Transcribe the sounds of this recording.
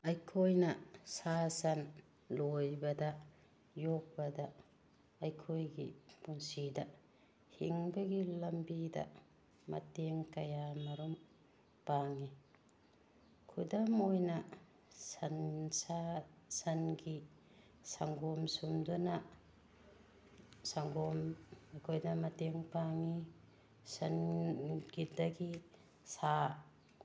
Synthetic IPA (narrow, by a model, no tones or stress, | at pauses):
ɐjkʰojnɐsasɐn | lojbɐdɐ | jok̚bɐdɐː | jkʰojɡipunsidɐ | hiŋbɐɡilɐmbidɐ̰ | mɐ̰teŋkɐjamɐɾum | paŋi | kʰudɐmojnɐ | sɐnsasɐnɡi | saŋɡɔmsumdunɐ | saŋɡɔmekʰojnɐmɐteŋpaŋi | sɐn | ɡidɐɡi | sa